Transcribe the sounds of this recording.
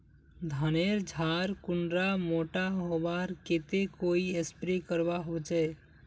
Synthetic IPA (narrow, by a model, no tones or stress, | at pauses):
d̪ʱəneɾd͡ʒʱaɾkʊɳɖɾamoʈaɦoʋaɾket̪ekoiespɾekəɾbaɦot͡ʃɛ